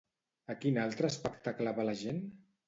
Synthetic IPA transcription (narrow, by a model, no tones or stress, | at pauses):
əkinalˠt̪ɾəːspəkt̪aklaβalaʒen